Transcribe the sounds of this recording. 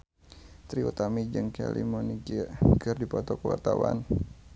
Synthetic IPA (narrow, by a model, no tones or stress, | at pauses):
t̪ɾiut̪amid͡ʒɨŋkɛ̰lḭmɔniɡiɡɨrdipɔt̪ɔkəwa̰rt̪awa̰n